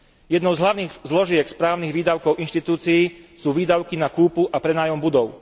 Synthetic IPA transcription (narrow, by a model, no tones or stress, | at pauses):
jɛd̪nɔʊzɦlaʊniːɣzlɔʒɪɛkspɾaːʊniɣʋiːd̪aʊkɔʊʔinʃt̪it̪uːt͡siiːsuːʋiːd̪aʊkinakuːpuʔapɾɛnaːjɔmbud̪ɔʊ